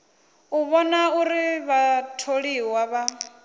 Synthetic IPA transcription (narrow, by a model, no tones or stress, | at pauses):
uβɔnauɾiβatʰoɺiwaβa